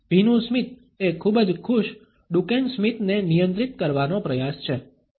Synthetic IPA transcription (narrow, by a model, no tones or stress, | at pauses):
bʱinũsmit̪̚ | ekʰubəd͡ʒkʰuʃ | ɖukensmit̪nenijə̃nt̪ɾit̪kəɾʋanopɾəjast͡ʃʰe